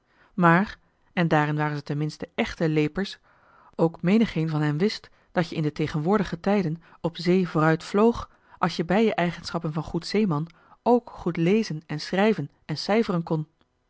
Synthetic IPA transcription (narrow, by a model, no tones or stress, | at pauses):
maːr | ɛndaːrɪnʋaːrənzətɛnmɪnstəʔɛχtəlejpəɹs | owkmejnəχejnvɑnɦɛmʋɪst | d̥ɑtjəɪndətejχənʋʊːɹdəχətɛjdən | ɔpzejvoːrœɥtflowχ | ʔɑlˠsjəbɛjjəʔɛjχənsχɑpənvɑnχutsejmɑn | owkχutlejzənɛnsrɛjvən | ɛnsɛjvərənkɔn